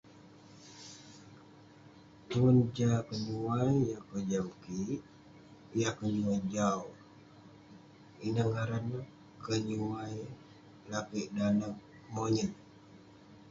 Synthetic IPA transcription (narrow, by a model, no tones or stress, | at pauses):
t̪uənd͡ʒakəɲuwajjakəd͡ʒawkiʔ | jakəɲuad͡ʒaw | inaŋaɾanə | kəɲuaj | lakiʔdanəh | moɲət